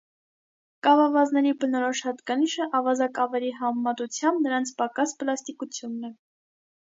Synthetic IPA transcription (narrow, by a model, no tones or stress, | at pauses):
kɑvɑvɑznɛɾibənɔɾɔʃhɑt̪kɑniʃəʔɑvɑzɑkɑvɛliɦɑmmɑt̪ut͡sʰjɑmbnəɾɑnt͡sʰpɑkɑspəlɑst̪ikut͡sʰjunːɛ